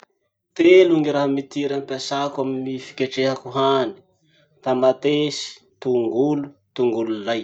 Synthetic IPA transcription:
t̪eluŋiɾaɦamit̪iɾampasakaminifi̥kʲaʈ͡ʂeɦakuɦani̥ | t̪amat̪esi̥ | t̪uŋɡulut̪uŋɡululaj

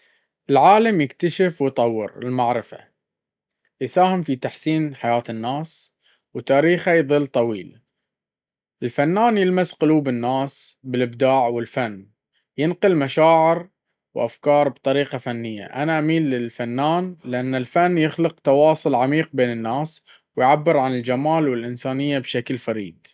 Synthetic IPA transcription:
ʔɪlʕaːlamjɪkt̪aʃɪfwjt̪ˤɑwːɪ̰ɾɪ̰lmaʕɾɪfa̰ | jsaːhɪmfit̪aħsiːnħajaːt̪ɪnːaːs | wt̪aːɾiːxajðˤɨlːt̪ˤɑwḭːl | ʔɪlfanːaːnjɪlmasqʊluːbɪnːaːsbɪlɪbd̪aːʕwɪlfanː | jɪnqɪlmaʃaːʕɪɾ | wʔa̰fkɑːɾˤbt̪ˤɑɾiːqɑfanːɪjːa̰ʔanaʔamiːlːɪlfanːaːnlɪʔanːɪlfanːjɪxlɪq̚t̪ɑwɑːsˤʊlʕamiːq̚beːnɪnːaːs | wɪjʕabːɪɾʕanɪld͡ʒamaːlwɪlʔɪnsaːnɪjːabʃaklfaɾḭːd̪

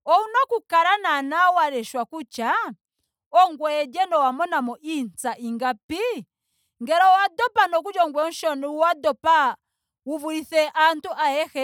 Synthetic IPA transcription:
ɔunɔkukaɾananawaɾɛʃwakut͡ʃa | ɔŋɡwɛd͡ʒɛnɔwamɔnamɔʔint͡saʔiŋɡapi | ŋɡɛɾɔwadɔpanɔkud͡ʒɔŋɡwɛʃɔniwadɔpa | wuvuɾiθɛʔantuʔaɛhɛ

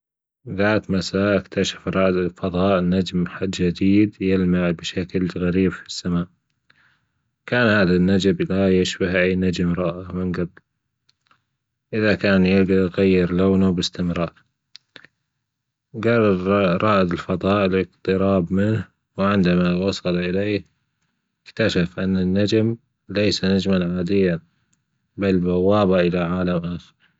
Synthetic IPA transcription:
ðaːt̪masaːʔɪkt̪aʃḁfɾˤɑːʔd̪ɪlfɑðˤɑːʔnad͡ʒmħad̪d͡ʒad̪iːd̪jɪlmaʕbɪʃaklɣaɾiːbfi̥sːamaːʔ | kaːnhaːðanːad͡ʒablajɪʃbahʕijnad͡ʒɪmɾˤɑːʔamɪnɡabl | ʔɪðakaːnjɪɣajːɪɾloːnabɪst̪ɪmɾɑːʔ | ɡɑrˤːɑɾɾˤɑːʔɪd̪ɪlfɑðˤɑːʔlʔɪqt̪ˤɨɾɑːbmɪn | wʕɪnd̪amawɑsˤɑlʔɪleː | ɪkt̪aʃafʔanːanːad͡ʒm | lejsanad͡ʒmanʕaːd̪ɪjːa | balbawːaːbaʔɪlaʕaːlamʔaːxɪ̥ɾ

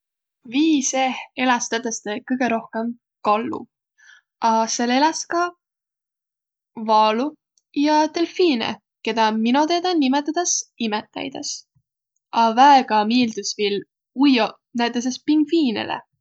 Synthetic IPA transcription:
viːsehelɑst̪æt̪ːest̪ekɤjɡ̥eɾo̞hkem | kɑlːṵ | ɑselelɑskɑ | vɑːlu | jɑt̪e̞lfiːnḛ | ke̞d̪ɑminot̪ed̪ɑnimet̪ːˑɑt̪ɑsimet̪ːæ̰jd̪ɑ̰s | ʔɑvæeɡ̥ɑmiːld̪̥usvil | ujo | næt̪ːˑes̬espiŋɡ̥fiːnḛlʔḛ

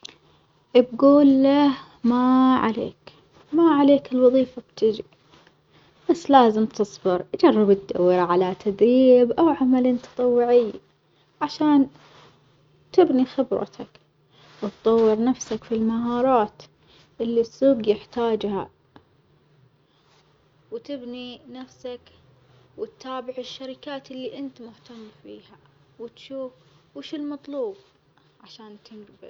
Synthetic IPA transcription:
ʔb̚ɡuːlːah | maʕa̰lḛːk | maʕaleːkɪlwɑðˤiːfab̚t̪ɪd͡ʒḭ | b̥asːlaːzɪmt̪ʰɨsˤbɪɾʔad͡ʒɑrˤːɪbɪt̪̚d̪a̰wːɪɾaʕalat̪ʰad̪ɾiːbʔawʕamalint̪ɑ̥t̪ˤɑwːɪʕɪj | ʕaʃaːn | t̪ɪbnixɪbɾa̰t̪ʰa̰k | wɪt̪t̪ˤɑwːɪɾnafsakfilmaɦɑːɾˤɑːt̪ | ʔɪlːisːuːɡjɪħt̪aːd͡ʒha̰ | wt̪ɪbninafsak | wɪt̪ːaːbɪʕɪʃːaɾɪkaːt̪ɪlːiʔɪnt̪mʊht̪amːfḭːha | wɪt̪ʃuːfwɪʃɪlmɑt̪ˤluːb̚ | ʕaʃaːnt̪ɪnɡbɪ̰l

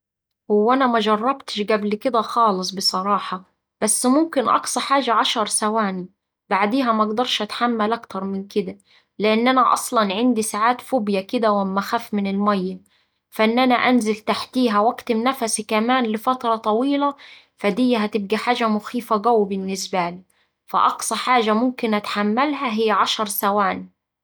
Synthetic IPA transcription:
hʊwːænæmæʒɑrˤːɑbt̪ɪ̥ʃɡæblkɪd̪æxɑːlɨsˤbɨsˤɑɾˤɑːħɑ | b̥æsːmʊmkɪnʔɑ̰ksˤɑħaːʒæʕɑʃɑɾˤsæwaːni | baʕd̪iːɦæmæɑɡd̪ɑɾˤʃʔæt̪ħamːælʔækt̪ɑɾˤmɪnkɪd̪æ | lɪʔanːʔænæʔɑ̰sˤlɑnʕɪnd̪isaʕaːt̪foːbjækɪd̪æwɪmːæxæːfmɪnɪlmæjːæ | fæʔɪnːʔænæʔænzɪlt̪aħt̪iːɦæwækt̪ɪmnæfæsikæmaːnlɪfɑt̪ɾˤɑt̪ˤɑwiːlæ | fæd̪ɪjːæɦæt̪ɪb̚ɡiħaːʒæmʊxiːfæɡæwːbɪnːɪsbæli | fæ̰ʔɑqsˤɑħaːʒamʊmkɪnʔat̪ħamːalɦæɦɪjːʕɑʃɑɾˤsawaːni

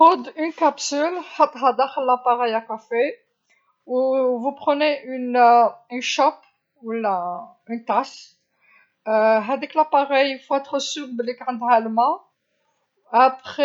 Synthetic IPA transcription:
od̪ynkapsylħat̪ʁad̪aʁlapaʁɛjakafe | uvupχəneynỹnʃɔp | ula | ynt̪as | ɦad̪ɛklapaʁɛjilfoɛt̪χəsyd̪əlekɑ̃d̪almã | apχe

